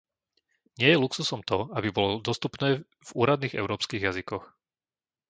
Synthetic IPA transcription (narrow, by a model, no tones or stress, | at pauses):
ɲɪɛjɛluksusɔmt̪ɔabibɔlɔd̪ɔst̪upnɛː | vuːɾad̪niːɣɛ̰ʊɾɔːpskiːɣjazikɔx